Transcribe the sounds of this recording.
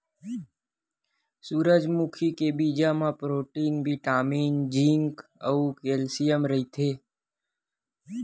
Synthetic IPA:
suːɾəd͡ʒmukʰikebiːd͡ʒamãpɾoːʈiːnɡbʱiʈaːmiːnd͡ʒĩŋkəukeːlsijəmɾəɦit̪ʰeː

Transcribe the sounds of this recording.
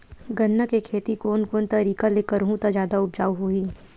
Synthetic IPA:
ɡɐnːəkekʰeːt̪ikoːnkoːnt̪ɐɾiːkaleːkəɾɦũt̪ad͡ʒjaːd̪aʊbd͡ʒaːwɦoːiː

